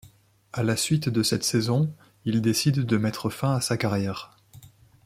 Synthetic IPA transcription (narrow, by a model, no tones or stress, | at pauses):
alasɥit̪d̪əsɛt̪sɛzɔ̃ | ild̪esid̪ːəmɛt̪χəfɛ̃asakaʁjɛːʁ